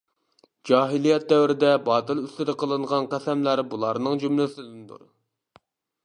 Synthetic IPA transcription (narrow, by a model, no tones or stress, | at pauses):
d͡ʒɑːɦilˠijɛt̪̚d̪ɛwɾɪd̪ɛbɑːt̪ɨlˠyst̪ɪd̪ɪqʰəlˠɨɴʁɑnqʰæsɛmlæɾbulˠɑɾnɨŋd͡ʒymlɪsɪd̪ɪnd̪ṵɾ